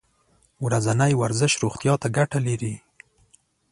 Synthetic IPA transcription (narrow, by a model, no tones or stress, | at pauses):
wɾazanajwaɾzɪʃɾuxt̪jɑt̪aɡaʈalaɾi